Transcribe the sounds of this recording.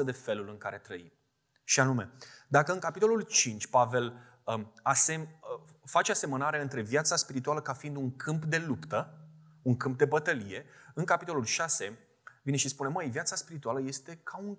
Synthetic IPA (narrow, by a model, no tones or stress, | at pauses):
əd̪e̞fe̞lulɨŋkaɾe̞t̪ɾəim | ʃianume̞d̪akəɨŋkapit̪o̞lult͡ʃint͡ʃʲpave̞l | əasem | fat͡ʃease̞mənaɾeɨnt̪ɾe̞vjat̪saspiɾit̪ualəkafiind̪uŋkʰɨmpd̪e̞lupt̪ə | uŋkɨmp̚d̪e̞bət̪əlije̞ɨŋkapit̪o̞lulʃase̞ | vine̞ʃispune̞məjvjat̪saspiɾit̪ualəje̞st̪e̞kʰauŋ